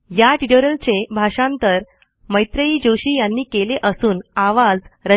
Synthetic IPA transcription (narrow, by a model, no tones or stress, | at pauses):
jaʈiʈoɾəlt͡ɕebʱaʂãnt̪əɾ | məjt̪ɾəiːd͡ʑoɕiːjanːiːkeleʔəsuːnaʋad͡zɾə